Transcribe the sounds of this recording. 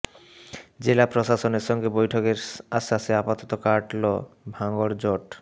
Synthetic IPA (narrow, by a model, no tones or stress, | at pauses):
d͡ʑelapɾoʃaʃoneɾʃɔŋɡebojʈʰokeɾaʃaseapat̪ot̪okaʈlo̰bʱaŋɡoɽd͡ʑoʈ